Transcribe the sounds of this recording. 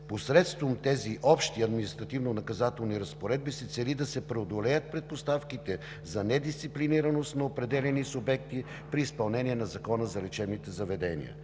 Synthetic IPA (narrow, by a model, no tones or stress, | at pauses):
posɾɛt̪st̪vomt̪ɛziʔɔpʃt̪iɐd̪minist̪ɾɐt̪ivnonɐkɐzat̪ɛlˠniɾɐspoɾɛd̪̚bisət̪sɛlid̪ɐsɛpɾɛod̪olɛjət̪̚pɾɛt̪̚post̪afkit̪ɛ | zɐnɛd̪ist̪sipliniɾɐnost̪nɐopɾɛd̪ɛlʲɛnisʊbɛk̚t̪i | pɾiːspɐlˠnɛniɛnɐzɐkɔnəzɐlɛt͡ʃɛbnit̪ɛzɐvɛd̪ɛnḭə̰